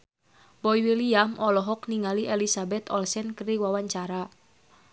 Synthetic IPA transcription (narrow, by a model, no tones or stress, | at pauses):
bɔiwiliamʔɔlɔɦɔkniŋaliʔɛlisabɛt̪ɔlsɛnkəɾiwawaɲt͡ʃaɾa